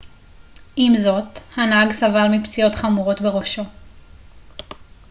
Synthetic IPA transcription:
imzo̞thanaɡsavalmipt͡sio̞tχamuʁo̞tbeʁo̞ʃo̞

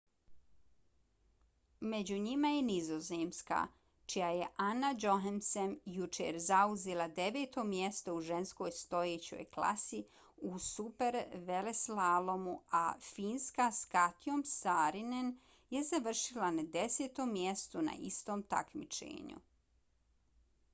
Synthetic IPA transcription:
me̞d͡ʑuɲimajenizozeːmska̰ː | t͡ʃijajeʔanːad͡ʒo̞ɦemsemjut͡ʃḛɾzauzelˠad̪eʋe̞ːt̪o̞mjest̪ouʒe̞nsko̞jst̪o̞jeːt͡ɕo̞̰ːjkla̰si | usupeɾʋeleslaːlˠomuafiːnskaskat̪iomsaːɾinen | jezaʋr̩ʃilanad̪e̞seːt̪o̞mːjest̪una̰ʔḭst̪o̞ːmt̪a̰kmit͡ʃḛːɲṵ

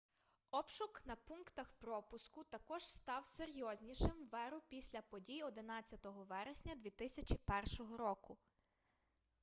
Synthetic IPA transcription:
ɔpʃʊknɐpunkt̪ɐxpɾɔpʊskʊt̪ɐkɔʒ̥st̪ɑwseɾʲjɔzʲnʲiʃɪmʋɛɾʊpʲisʲlʲɐpɔdʲijɔd̪ɪnɑt͡sʲːɐt̪ɔɦɔʋɛɾesʲnʲɐd̪ʲʋʲit̪ɪsʲɐt͡ʃipɛrʃɔɦɔɾɔkʊ

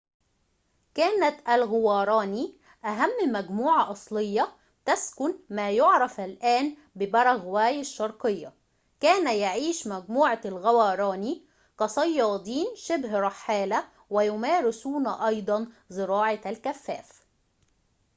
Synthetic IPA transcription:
kæːnæt̪ʔælɣʊwɑːɾˤɑːni | ʔæɦæmːmæɡmuːʕɑʔɑsˤlɪjːɑ | t̪æskʊnmæːjʊʕɾˤɑfælʔæːn | bɪbɑɾˤɑɣwæːjaʃːɑɾˤqɪjːɑ | kæːnæjaʕiːʃmæɡmuːʕɑlɣæwɑːɾˤɑːni | kɑsˤɑjːɑːd̪ˤiːnʃɪbɦɾˤɑħːaːlæ | wɪjʊmæːɾɪsuːnʔɑjd̪ˤɑn | zɨɾɑːʕɑælkæfːæ̰ːf

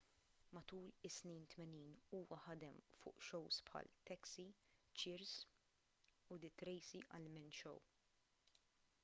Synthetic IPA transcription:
mɐt̪uːlɪsniːnt̪mɛniːnuːwɐħɐd̪ɛmfʊ̰ːʔʃɔwspħɐ̰lt̪ɛksit͡ʃɪɾs | ʊd̪ɪt̪ɾɛjsiʔɐ̰lmɪnʃɔ̰w

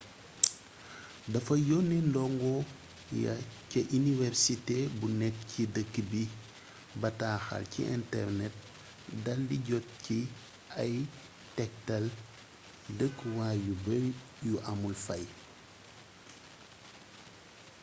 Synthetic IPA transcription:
dɐfɐjɔnɛndɔŋɡɔ | jɐ̰cɐʔinivɛɾsitebunɛkcidəkːəbi | bɐtaːxɐ̰lcḭʔɛ̰ntɛ̰rnɛt̚ | dɐldiɟɔt̚ci | ɐj | tɛk̚tɐl | dəkːwaːjubɛ | juʔɐmulfɐj

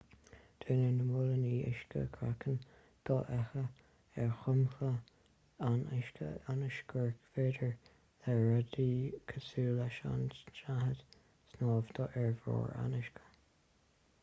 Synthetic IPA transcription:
d̪̥ʰeːnənəmʊləniːʔɪ̰ʃkə̰kʰɾa̰kʰən | d̪̥ɔʔɛxə | ɛɹxʊmxə | anɪ̰ʃkʰə̰anɪʃɡəɹkveːdəɹ | ðɛːad̪iːkʰəsuːlaʃa̰nʃahəd̪̥ | snɑːvd̪̥ɔʔɛɹvɹɔ̰ːɹa̰nɪʃkʰə̥

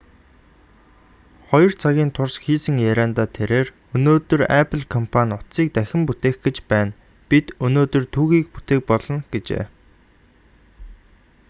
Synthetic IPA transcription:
χɔjɞ̆rt͡sʰaɣʲiːnt̪ʰʊrsxiːsɘ̆ŋjæɾʲaːnt̪aːt̪ʰeɾeːr | ɵnoːt̪ɵ̆ræpʰə̆ɮkʰɔmpʰanʲʊt̪siːk̚t̪æxʲɪ̆mput̪eːxɡet͡ɕpæːn | pit̪ɵnoːt̪ɵ̆rt̪ʰuːɣiːk̚put̪eːk̚pɔɮɞ̆ŋɡ̥et͡ɕḛː

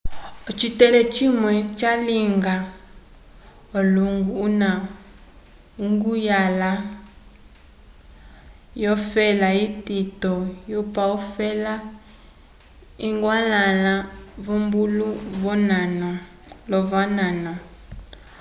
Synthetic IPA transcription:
ɔt͡ʃitɛlɛt͡ʃimwɛt͡ʃaliŋɡa | ɔluŋɡuːna | uŋɡujala | jɔfɛlaititɔjupaɔfɛla | iŋɡwalalavɔmbuluvɔnanɔ | lɔvananɔ

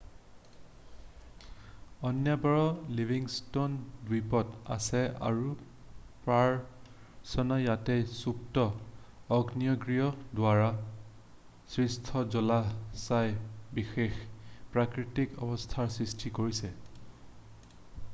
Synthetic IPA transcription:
ɔnjabɔɹɔlivʱiŋstondwipɔta̰sɛa̰ɹu | pɹaɹ | sɔnajatɛjsuktɔ | ɔɡniɔɡɹijɔdwaɹa | sɹistʰɔzɔlasajbixexpɹakɹitikɔ̰bɔstʰaɹsɹistʰikoɹisɛ

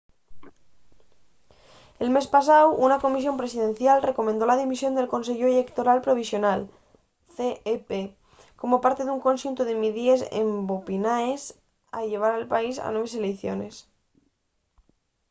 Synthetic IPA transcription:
e̞lme̞spas̬awunako̞mis̬jo̞mpɾe̞sið̞ẽ̞nθjalre̞ko̞mẽnd̪o̞laðimisjo̞nd̪e̞lko̞nse̞ʎoele̞kt̪o̞ɾalpɾo̞β̞isjo̞nal | θeepe | ko̞mo̞paɾt̪e̞ðuŋko̞nʃunt̪oðemiðiesḛmbopinaes | a̰ʎe̞β̞aɾalpaisa̰nweβ̞es̬e̞leθjo̞̰ne̞s

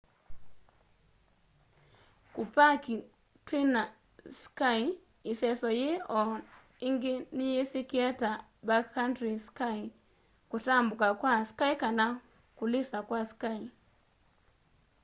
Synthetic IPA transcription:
kupaki | twina | skai | ɪsɛsɔjeɔ | ɪŋɡɪnɪjesikiɛta | bakhantɾiskai | kutambʊkakwaskaikana | kulɪsakwaskai

